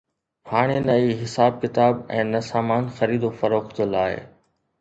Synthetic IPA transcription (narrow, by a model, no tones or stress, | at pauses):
haːɽ̃enɐiːɦɪsaːb̚kɪt̪aːbɛ̃ːnɐsaːmaːnxɐɾiːd̪ofɐɾoːxt̪əlaːɦḛː